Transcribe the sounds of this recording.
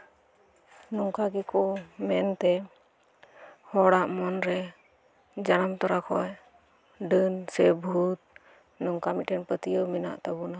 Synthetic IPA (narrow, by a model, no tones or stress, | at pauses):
nɔŋkaɡɛkɔmɛnt̪ɛ | hɔɽaʔmɔnɾɛ | d͡ʒanamt̪ɔɾakʰɔj | ɖənsɛbʱut̪̚ | nɔŋkamitɛnpət̪ijəwmina̰ʔt̪abuna